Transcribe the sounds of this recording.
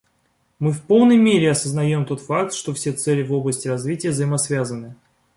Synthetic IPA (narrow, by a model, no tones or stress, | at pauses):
mɨfpo̞lˠnəjmʲeɾʲɪɐsəznɐjo̞mt̪o̞t̪fak̚t̪ʂt̪o̞fsʲe̞t̪sɛlʲɪvo̞blˠəsʲtʲɪrɐzvʲitʲɪjəvzəjɪmɐsvʲazənːɨ